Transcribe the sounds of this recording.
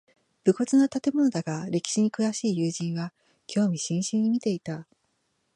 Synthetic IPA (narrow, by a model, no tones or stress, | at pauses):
b̥ɯ̟ko̞t͡sɨnot̪at̪e̞mo̞no̞d̪aɡaɾe̞kʲi̥ɕiɲ̟ikɯ̟βaɕiːjɯːʑĩɰ̃βa | kʲʰo̞ːmʲiɕĩɰ̃ɕĩɲ̟ːimʲit̪e̞it̪a